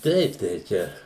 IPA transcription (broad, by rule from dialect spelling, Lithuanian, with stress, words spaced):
ˈtʲɛɪp tɐɪ ˈt͡ʃʲɛ